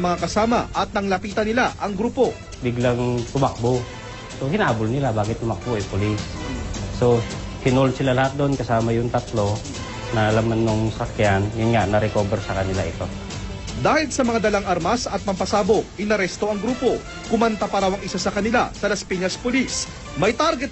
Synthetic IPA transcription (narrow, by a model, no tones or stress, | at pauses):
mɐŋakɐsaːmɐ̰ʔɐt̪̚nɐŋlɐpiːt̪ɐnɪlaʔɐŋɡɾuːpo̞ | bɪɡlaŋt̪ʊmak̚bo | sohɪnaːbʊlnɪlabaːɡɪt̪̚ːʊmɐk̚boʔɛpʊlɪsː | o̞hɪnolnsɪlalɐhat̪̚d̪onkɐsaːmɐjʊŋt̪ɐt̪lo̞ | nɐlamanːoŋsɐkjanjʊnŋaʔnɐɾɛkoːbɛɾsɐkɐnɪlaʔɪt̪o̞ | d̪aːhɪlsɐmɐŋad̪ɐlaŋʔaɾmɐsɐt̪̚mɐmpɐsaːbo̞ʔɪnɐɾɛst̪o̞ɐŋɡɾuːpo̞ | kʊmɐnt̪apɐɾawɐŋɪsasɐkɐnɪla̰sɐlɐspiɲɐspʊlis | mɐjt̪aɾɡɛt̪̚